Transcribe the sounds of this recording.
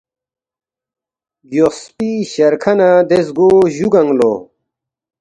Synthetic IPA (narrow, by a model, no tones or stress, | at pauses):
ɡjospiɕɐɾkʰɐnad̪esɡoːʑuɡɐŋɡlo̰